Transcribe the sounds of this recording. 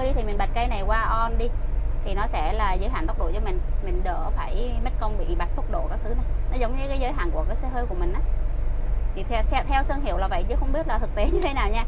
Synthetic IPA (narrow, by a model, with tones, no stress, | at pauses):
əː˧jɗi˧t̪ʰi˨˩mi˨˩ɓa˨˩t̚kə˧jna˨˩jkwaː˧ʔɔ˧nɗi˧t̪ʰi˨˩nɔ˨˦sɛ̰˧˥laː˨˩zə̰ː˨˦jɦaː˧˩nt̪ʊ˦˥k͡p̚ɗo̰˧˩jt͡ɕɔ˧mï˨˩ŋ̟mï˨˩ŋ̟ɗə̰ː˧˩faː˧˩jmə˦˥t̚kɔ˧nɓḭ˧˨ɓa˨˩t̟̚fʊ˦˥k͡p̚ɗo̰˧˨kaː˦˥k̚t̪ʰɨ˨˦na˨˩jnɔ˨˦zə˨˦wŋ͡mɲɨ˧˨˦kaː˨˦jzəː˨˦jɦa̰ː˧˨nku˧˩əkaː˨˦jsɛ˧ɦəː˧jku˧˩əmï˨˩ŋʔaː˨˦ | t͡ɕʰḭ˧˩t̪ʰɛ˧sɛ˧t̪ʰɛ˧wsəː˧ŋɦi˧˩əwlaː˨˩və̰˧˨jt͡ɕɨ̰˧˦xə˧wŋ͡mɓi˦˥ət̚laː˨˩t̪ʰɨ˨˩k̚t̪i˨˦ɲɨ˧t̪ʰe˨˦naː˨˩wɲaː˧